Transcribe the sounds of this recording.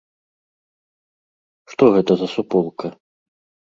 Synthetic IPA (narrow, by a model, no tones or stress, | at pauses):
ʂt̪ɔɣɛt̪ɐzɐsupɔlˠkɐ